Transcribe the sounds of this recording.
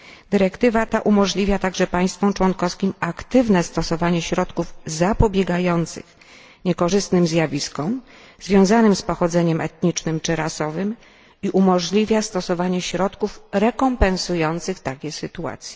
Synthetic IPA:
d̪ɘɾɛkt̪ɘvat̪aʔumɔʐlʲivʲjat̪aɡʐɛpaj̃st̪fɔ̃mt͡ʂwɔnkɔfskʲimakt̪ɘvnɛst̪ɔsɔvaɲɛɕɾɔt̪kuvzapɔbʲjɛɡajɔnt̪sɘ̰x | ɲɛkɔʐɘst̪nɘmzʲjavʲiskɔ̃m | zvʲjɔ̃w̃zanɘmspɔxɔd̪zɛɲɛmɛt̪ɲit͡ʂnɘmt͡ʂɘɾasɔvɘm | iʔumɔʐlʲivʲjast̪ɔsɔvaɲɛɕɾɔt̪kufɾɛkɔmpɛ̃nsujɔnt̪sɘxt̪akʲɛsɘt̪ua̰t̪sʲjɛ

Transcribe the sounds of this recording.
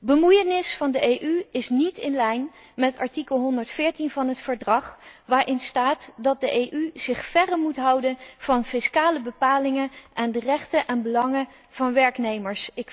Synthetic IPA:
bəmujənɪsfɑndəʔejʔyɪsnitɪnlɛjn | mɛtɑɹtikəlˠɦɔndəɹtfɪːɹtinvɑnɦətfəɹdrɑχʋaːɹʔɪnstaːtdɑt̚dəʔejʔyz̥ɪχfɛrəmutɦɑwdənv̥ɑnfɪskaːləbəpaːlɪŋənʔɛndərɛχtəʔɛnbəlɑŋə | v̥ɑnʋɛɹknejməɹsɪk

